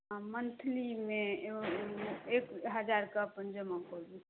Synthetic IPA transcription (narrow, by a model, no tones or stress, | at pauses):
mənt̪ʰlimẽ | ekɦəd͡ʒaɾkapənd͡ʒəmakoɾd̪i